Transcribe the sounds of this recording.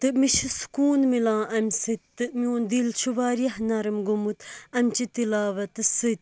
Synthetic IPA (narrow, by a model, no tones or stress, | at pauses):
t̪ɨmiʃisu̥kuːnmilãːʔɐmʲsɨt̪ːɨmʲoːnd̪ilt͡ʃʰuʋaːɾijɐhnɐɾɨmɡumut̪ɐmʲt͡ʃit̪ilaːʋɐt̪ɨsɨt̪̚ʲ